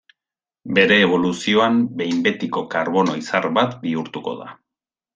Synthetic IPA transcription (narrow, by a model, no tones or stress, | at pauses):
be̞ɾe̞ːβ̞o̞lusio̞ambe̞jmbe̞t̪iko̞kaɾβo̞no̞̰isaɾβat̪biuɾt̪uko̞̰ða̰